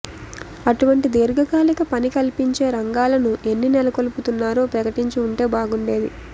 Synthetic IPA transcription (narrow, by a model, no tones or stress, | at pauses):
ɐʈuʋɐɳʈid̪eːɾuɡɐkaːlikɐpɐnikɐlipiɲt͡ʃe̞ːɾɐŋɡaːlɐnuʔe̞nːinɛlɐkoluput̪unːaːɾoːpɾɐkɐʈiɲt͡ʃɐuɳʈe̞ːbaːɡuɳɖe̞ːd̪ḭ